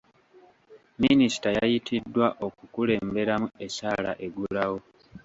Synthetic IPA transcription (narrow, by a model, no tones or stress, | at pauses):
minisi̥tajajitʰidːwaʔo̞kukule̞ːmbe̞ɾamue̞caːla̰ʔe̞ɡulawo̞